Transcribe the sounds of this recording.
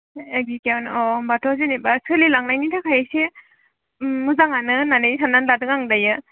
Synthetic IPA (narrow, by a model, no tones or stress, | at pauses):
eɡ̚zikewnɔbatʰɔzenibasɯlilaŋnajnitʰakʰajase | muzaŋanɯnanɯjsʰanːanladɯŋaŋdajɯ